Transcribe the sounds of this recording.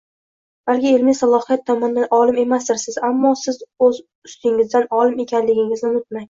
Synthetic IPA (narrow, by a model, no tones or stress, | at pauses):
balɡʲɪelmisalˠɒhijat̪ʰːɒmɒnd̪anɒlɪme̞masd̪ɪɾsɪzamːɒsɪzɵz | ʊst̪ɪŋɪzd̪anɒlɪme̞kʲʰanlɪɡʲɪŋɪznɪnʊt̪̚maŋ